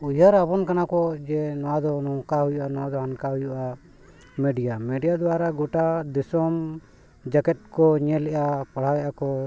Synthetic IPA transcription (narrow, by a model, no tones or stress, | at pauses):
ujaɾabɔnkanakɔd͡ʒɛnɔwad̪ɔnɔkaɦujuʔanɔwad̪ɔɦankaɦujuʔa | mɛɖijamɛɖijad̪ɔwaɾaɡɔʈad̪isɔm | d͡ʒakɛt̪̚ˀkɔɲɛlɛʔapaɽ̤awɛʔakɔ